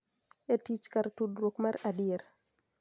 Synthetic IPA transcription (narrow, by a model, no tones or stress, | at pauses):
etit͡ʃkaɾtudɾwokmaɾadɪeɾ